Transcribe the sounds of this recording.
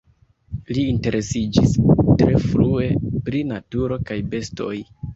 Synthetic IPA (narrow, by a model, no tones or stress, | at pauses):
liːnte̞ɾʔe̞sid͡ʒistɾe̞fɾue̞pɾinatuɾo̞kajbe̞sto̞̰j